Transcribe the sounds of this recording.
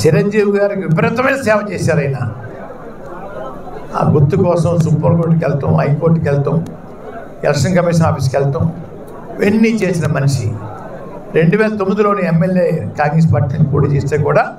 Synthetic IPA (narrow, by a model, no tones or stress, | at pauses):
t͡ʃiɾɐɲd͡ʒiːʋiɡaːɾikiʋipɐɾɐt̪ɐmɐjnɐsɛːʋɐt͡ʃeːsaːɾɐjina | a̰ːɡut̪ːukɔːsɐmsupːɐɾkoːʈ̬ːkɛlt̪omɐjpoːɾʈːkɛlt̪om | ɛ̰lɐkʂɐnkɐmiːʂ̬ɐnaːpis̬kɛlt̪om | enːit͡ʃe̞ːsinɐmɐniʂi | ɾe̞ɳɖuʋɛːlɐt̪omːid̪ulo̞ːniemːeljeːkaːŋɡɾes̬paːɾʈiːlɐt͡ʃipoːʈiːt͡ʃeːst̪eːkuːɽaː